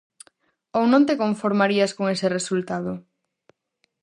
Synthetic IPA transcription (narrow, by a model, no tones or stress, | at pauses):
ownõnt̪ekoɱfoɾmaɾiɐskoŋeseresult̪að̞ʊ